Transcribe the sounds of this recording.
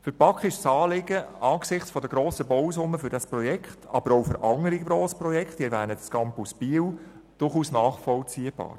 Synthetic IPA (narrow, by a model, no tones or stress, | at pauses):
fʏɾpɑkχɪʃsɑːlɪɡəɑːksɪχt͡sfɔd̪əɡ̥ɾoːsəbɔwsʊmːəfʏɾdɑsprɔjɛkʰχtʰɑ̰b̥əɾɔwfəɾʔɑŋəɾiɡɾoːsprɔjɛkχtiɾvæːnətskɑmpusb̥iːw | d̥ʊrχuːsnɑːχfɔlt͡siəb̥ɑ̰ːɾ